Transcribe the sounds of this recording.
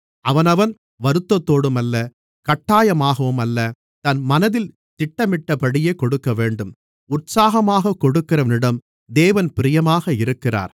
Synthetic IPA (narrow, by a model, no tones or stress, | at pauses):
ʔɐʋɐnɐʋɐn | ʋɐɾɯt̪ːɐt̪ːoːɽɯmɐlːɐ | kɐʈːaːjɐmaːɣɐʋɯmɐlːɐ | t̪ɐnmɐnɐðɪl | t̪ɪʈːɐmɪʈːɐpɐɽɪjeːkɔɽɯkːɐʋeːɳɖɯm | ʊʈsaːɣɐmaːɣɐkɔɽɯkːɪɾɐʋɐnɪɽɐm | d̪eːʋɐnpɪɾɪjɐmaːɣɐɪɾɯkːɪra̰ːɾ